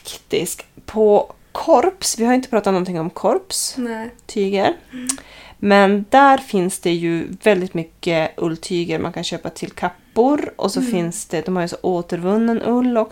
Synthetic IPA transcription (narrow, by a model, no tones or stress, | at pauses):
kt̪ɪ̰skpʰɔ | kʰɔɾpsvɪhaɾʏɪnt̪ə̥pɾɑːt̪anɔnt̪ʰɪŋːɔmkʰɔɾpst̪ʰyːɡəɾ | mɛnd̪æɾfɪnsd̪ɛjɵvɛld̪ɪt̪mʏkːəʔɵlːt̪ʰyːɡəɾmʔa̰nkʰanɕøːpat̪ʰɪlkʰapːʊɾʔɔ̰sɔfɪnsd̪̥ɛd̪ɔmhaɾjsɔʔoːt̪əɾvɵnːənʔɵlːɔk